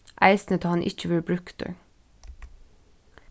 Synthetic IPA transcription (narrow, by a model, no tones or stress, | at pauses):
ʔæɪsnət̪ʰɑːhɑnʔɪ̰c͡çəʋɪlbɹʉkd̪̥ḛ